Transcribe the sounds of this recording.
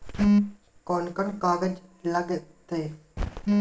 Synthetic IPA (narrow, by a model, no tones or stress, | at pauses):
koːnkəɳkaːɡəd͡ʒləɡt̪eː